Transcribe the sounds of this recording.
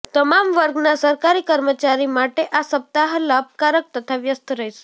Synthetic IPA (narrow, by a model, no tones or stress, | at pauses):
t̪əmamʋəɾɡnasəɾkaɾikəɾmət͡ʃaɾimaʈeʔasəp̚t̪aɦlab̚kaɾək̚t̪ət̪ʰaʋjəst̪ɾəjse̥